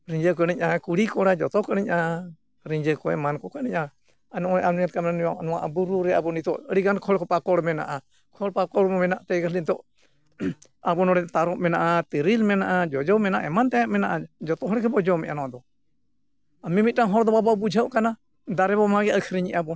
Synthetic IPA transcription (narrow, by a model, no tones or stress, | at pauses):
ɾiɲd͡ʒəkəniɲʔakuɽikɔɽad͡ʒɔt̪ɔkəniɲʔa | ɾiɲd͡ʒəkɔɛmankɔkəniɲʔa | anɔʔɔjʔaniat̪̚kamnanijanɔwaʔabuɾuɾɛabɔnit̪ɔʔəɽiɡankʰɔɽkɔpakɔɽmɛna̰ʔa | kʰɔɽpakɔɽmɔmɛnaʔt̪ɛɡalint̪ɔʔ | abɔnɔɽɛnt̪aɾɔʔmɛnaʔat̪əɾilmɛnaʔad͡ʒɔd͡ʒɔwmɛnaʔɛmant̪ɛjaʔ̚mɛnaʔad͡ʒɔt̪ɔɦɔɽɛkʰɛbɔd͡ʒɔmɛ̰ʔanɔwad̪ɔ | amimit̪̚taŋɦɔɾd̪ɔbabawbud͡ʒʱəʔkana | d̪aɾɛbɔmaɡɛəlkʰɾiɲiʔabɔ